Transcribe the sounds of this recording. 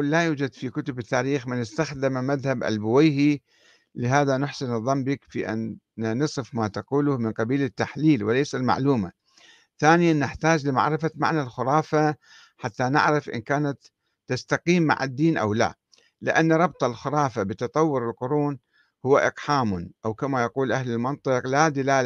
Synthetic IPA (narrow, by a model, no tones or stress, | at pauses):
lajuːd͡ʒad̪fikʊt̪ʊbɪt̪ːaːɾiːxmɪnɪst̪axd̪ɪmamaðhabʔa̰lbʊwɪjhi | lɪɦaːðanʊħsɪnɨðˤɑmːbɪkfiʔa̰n | nɨsˤɨfmaːt̪ɑquːlʊhmɪnqɑbiːlɪt̪ːaħliːlwɪleːsalma̰ʕluːma̰ | θaːnɪjanːɪħt̪aːd͡ʒlɪma̰ʕɾɪfama̰ʕnalxʊɾˤɑːfa | ħat̪ːanɪ̰ʕɾɪfʔɪ̰nkaːnat̪ː | ast̪aqiːmːa̰ʕa̰d̪ːiːnʔa̰wla̰ | lɪ̰ʔanːɾˤɑbt̪ˤɑlxʊɾˤɑːfabɪt̪ɑt̪ˤɑwːʊɾɪlqʊɾuːn | hʊwːaʔɪqħaːmʊnʔawkamajɑquːlʔahlɪlmɑnt̪ˤɨqlad̪ɪlaːl